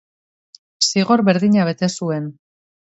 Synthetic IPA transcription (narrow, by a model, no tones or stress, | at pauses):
siɣo̞ɾβe̞ɾðiɲaβ̞e̞t̪e̞sue̞n